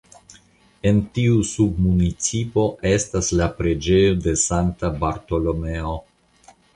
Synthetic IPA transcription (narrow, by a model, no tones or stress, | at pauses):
e̞ntiusub̚munit͡sipo̞ʔe̞staslapɾe̞d͡ʒe̞jo̞de̞santabaɾto̞lo̞me̞o